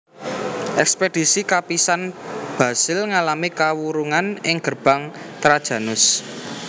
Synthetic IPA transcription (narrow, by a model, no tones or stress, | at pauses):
ʔɛksped̥isikapisanb̥ä̤sɪlŋalamikawuɾuŋanɪŋɡ̥ərb̥a̤ŋt̪ɾad̥ʒ̥ä̤nʊs